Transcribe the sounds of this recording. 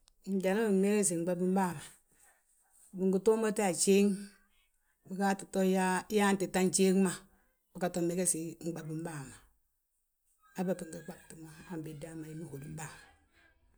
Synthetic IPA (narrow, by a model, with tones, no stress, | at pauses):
i˨n˦d͡ʒa˨na˦i˨me˦ɡe˦si˨ŋ͡m̩˦ɡ͡ba˦bi˦m˦ba˦˨ma˨ | bi˨ŋɡu˨to˦ma˦te˦a˨t͡ʃe˦ŋ | bi˨ka˦ti˨to˦ja˦ja˦n˦ti˨ta˦nt͡ʃe˦ŋ˦ma˨ | bi˨ka˨to˨me˦ɡe˦si˨˦ŋ͡m̩˦ɡ͡ba˨bi˦m˦ba˦˨ma˨ | a˦ba˨ki˨ŋ˨ɡi˨k͡pa˦b̚ti˨ma˦a˦m˨be˨da˦ma˨ji˨˦mi˦ho˨di˨˦m˦ba˦˨ma˨